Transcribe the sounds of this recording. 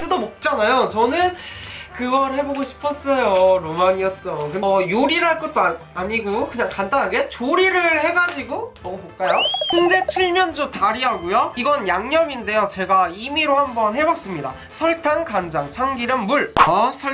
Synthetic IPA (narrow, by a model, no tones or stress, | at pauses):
edomok̚t͡ɕ͈anajot͡ɕʌnɯnkɯɡʌɾɯhe̞boɡoɕʰi̥pʰʌs͈ʌjoɾomaɲiʌt̚t͈ʌnkɯnjoɾiɾɯɭhaɭk͈ʌt̚t͈oa | aɲiɡukɯɲaŋkandanɦaɡe̞t͡ɕoɾiɾɯɭhe̞ɡad͡ʑiɡomʌmubok͈ajokɯŋd͡ʑe̞t͡ɕʰiɭmjʌnd͡ʑotaɾiɦaɡojoiɡʌnjaŋɲʌminde̞jot͡ɕe̞ɡaimiɾohambʌnhe̞bʌk̚s͈ɯmɲida̰ | sʰʌɭtʰaŋkaŋd͡ʑaŋt͡ɕʰaŋɡiɾɯnmuɭsʰʌ